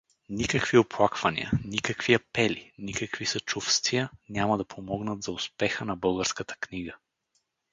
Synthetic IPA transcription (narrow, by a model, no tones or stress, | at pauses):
nikəkvioplˠakvɐnḭə̰nikəkv̥iɐpɛlinikəkvisɐt͡ʃufst̪vijənʲamɐd̪ɐpʰomɔɡnət̪zɐʊspɛxənɐbɤlˠɡəɾskət̪ə̥kniɡə